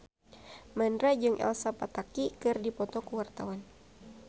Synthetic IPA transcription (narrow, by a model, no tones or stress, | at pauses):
məndɾad͡ʒɨŋʔɛ̰lsapat̪akikɨrdipɔt̪ɔkəwart̪awan